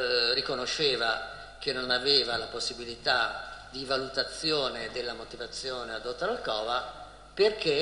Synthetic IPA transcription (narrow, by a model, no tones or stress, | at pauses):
rikonoʃːeːva | k̟enːonaveːvalaposːibilit̪ad̪ivalut̪at̪sːjoːned̪elːamot̪ivat̪sːjoːnead̪ot̪ːalalkɔːva | perk̟e